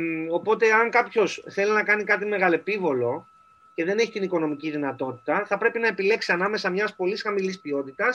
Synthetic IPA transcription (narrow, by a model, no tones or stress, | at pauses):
o̞po̞t̪e̞ɐŋkɐpço̞sθe̞linɐkɐnikɐt̪ime̞ɣɐle̞pivo̞lo̞ | ce̞ðe̞neçit̪iniko̞no̞miciðinɐt̪o̞t̪i̥t̪ɐθɐpɾe̞pinɐe̞pile̞ksiɐnɐme̞sɐmɲɐspo̞lisxɐmilispio̞t̪it̪ɐs